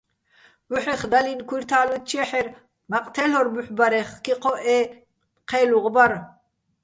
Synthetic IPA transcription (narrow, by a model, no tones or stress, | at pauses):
uħɛχd̪alinkʰwiɾt̪ʰaːlut̪t͡ʃʰɛħɛɾ | maqʼt̪ʰɛlɔɾbuħbaɾɛχkiqʰɔʔɛː | qʰɛːluʁbaɾ